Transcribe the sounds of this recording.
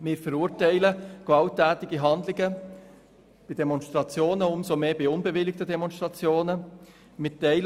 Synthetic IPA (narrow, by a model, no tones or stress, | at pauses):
mɪːɾfəɾuːɾtɛɪləɡ̥vɑltɛːtɪɡiɦɑndlɪɡə | b̥idɛmɔnstʁɑt͡sjoːnəʊmsomeːbiʊnbəvɪlɪk̚tədɛmɔnstʁɑt͡sjoːnə | mɪtɛɪl